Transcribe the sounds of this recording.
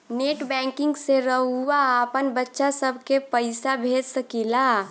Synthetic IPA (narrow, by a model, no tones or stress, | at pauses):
neʈbɛ̃ŋkɪŋɡseɾəɦuaːpənbətːʃasəbʱkepəɪsabʱed͡ʒsəkila